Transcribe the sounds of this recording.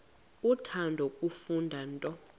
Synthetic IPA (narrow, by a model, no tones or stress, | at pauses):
utʰandʱokʼufundʱantʼɔ